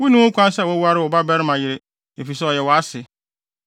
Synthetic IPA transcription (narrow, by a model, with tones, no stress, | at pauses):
wu˦nũ˦wʊ˦kʷã˦n˦sɛ˦˨wʊ˨˦wu˦a˦ɾɪ˦wɔ˨ba˦bɛ˦ɾɪ˦mã˨jɪ˨ɾe˨ | e˨fi˨sɛ˦ɔ˨jɛ˨wɔ˨a˦sɪ˨